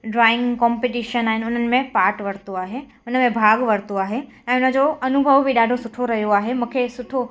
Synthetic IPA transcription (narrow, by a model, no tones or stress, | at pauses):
ɖɾaːɪ̃ŋɡkɔ̃ːmpeʈiːʃənaːɦɪnɪʊn̤ənɪ̆mẽpaːɾʈʋɐɾt̪oaːɦe | ʊnəmẽbʱaːɡʋɐɾt̪oaːɦe | ɛ̃ːʊn̤ə̆d͡ʑoɐnʊbʱəʋbʱiɗaːɖʱosʊʈʰoɾɐɦijoaːɦemũːkʰesʊʈʰo